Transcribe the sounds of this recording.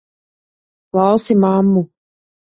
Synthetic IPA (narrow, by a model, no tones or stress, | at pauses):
klˠɑwsimamːu